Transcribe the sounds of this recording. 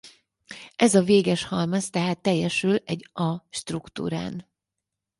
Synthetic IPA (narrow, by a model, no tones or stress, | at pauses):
ʔɛzɒveːɡɛʃhɒlmɒst̪ɛɦaːt̪ːɛjːɛʃylɛɟɒʃt̪rukt̪ṵːɾa̰ːn